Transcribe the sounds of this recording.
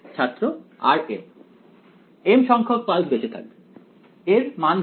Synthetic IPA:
t͡ɕʰat̪ːɾo | a̰ɾem | emʃɔŋkʰok̚palsbeʃet̪ʰa̰k̚be | eɾmanʱ

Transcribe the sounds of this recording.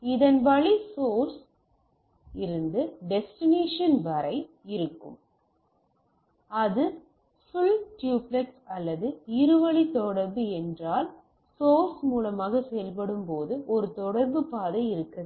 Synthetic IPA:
ɪðɐnʋɐɭisoːɾs | ɪɾɯnd̪ɯɖɛsʈɪneːʂɐnʋɐɾɐɪ | ɪɾɯkːɯ̰m | ɐðɯ | fʊɭʈjuːplɐksɐlːɐðɯɪɾɯʋɐɭit̪ɔɽɐɾbɯɛndraːl | soːɾsmuːlɐmaːɣɐsɛjɐlp̬ɐɽɯmpoːðɯʔɔɾɯt̪ɔɽɐɾbɯpaːðɐɪɾɯkːɐð

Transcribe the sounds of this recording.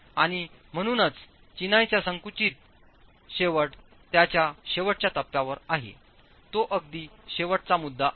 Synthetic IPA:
aɽ̃i | m̤əɽ̃uːnət͡s | t͡ɕinajt͡ɕjasəŋkut͡ɕiːt̪̚ | ɕeʋəʈ | t̪jat͡ɕjaɕeʋəʈ̚t͡ɕjat̪əpːjaʋəɾaɦḛ | t̪oʔəɡd̪iːɕeʋəʈ̚t͡samud̪ːa

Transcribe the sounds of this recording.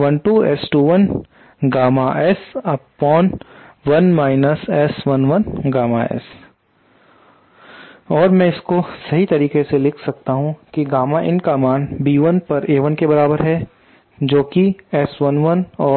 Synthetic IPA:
ʋɐ̃nʈuːɛːsʈuːʋɐn | ɡaːmaʔɛsɐpːɔːnʋɐnmaːɪnəsɛːsʋɐnʋɐnɡaːmaɛ̰ːs | ɔːɾmɛ̃ɪskosɐɦit̪ɐɾiːkeselɪkʰsɐkt̪aɦũkiɡaːmaʔɪ̃nkaːmaːnbiːʋənpɐɾeːʋənkebɐɾaːbəɾɦɛ | d͡ʒoːkiɛːsʋɐnʋɐnɔː

